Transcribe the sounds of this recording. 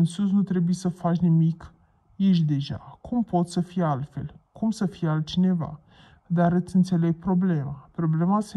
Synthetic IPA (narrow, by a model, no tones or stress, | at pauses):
ɨnsus̬nut̪ɾe̞bujesəfat͡ʃʲnimik | jeʃ̬d̪e̞ʒa̰kʰumpo̞t̪səfijalt̪fe̞̰lkumsəfijealt̪̚t͡ʃine̞va̰ | d̪aɾɨt̪sʲɨnt̪se̞le̞ɡ̚pɾo̞ble̞mapɾo̞ble̞mase